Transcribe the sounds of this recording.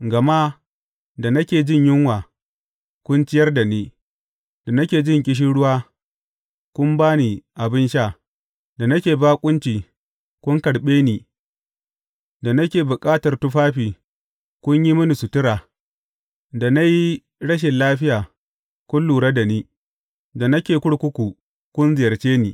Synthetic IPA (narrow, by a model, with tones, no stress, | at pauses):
ɡɐ˨ma˦ | da˨nɐ˦kʲeː˨d͡ʒɪ˦ɲjɪ˦ŋwaː˨ | kʷʊ˦nt͡ʃɪ˦jɐ˦rda˨niː˦ | da˨nɐ˦kʲeː˨d͡ʒɪ˦ŋk̬ʲʼɪ˦ʃ̬i˦ɽʊ˦waː˦ | kʷʊ˦mbaː˦ni˨ʔa˨bɪ˦nʃaː˦˨ | da˨nɐ˦kʲeː˨baː˦kʷʼʊ˦nt͡ʃiː˨ | kʷʊ˦ŋkɐ˨ɽɓeː˦niː˨ | da˨nɐ˦kʲeː˨bʊ˨kʼaː˦tɐ˨rtʊ˦ɸaː˦ɸiː˨ | kʷʊ˦ɲji˦mʊ˦ni˨sʊ˨tɪ˦ɾaː˨ | da˨na˦ji˦ | ɽɐ˦ʃ̬ɪ˨nlaː˦ɸɪ˦jaː˨ | kʷʊ˦nluː˨ɽa˦da˨niː˦ | da˨nɐ˦kʲeː˨kʷʊ˦ɽkʷʊ˦kʷu˨ | kʷʊ˦nzɪ˨jɐ˨rt͡ʃeː˦ni˨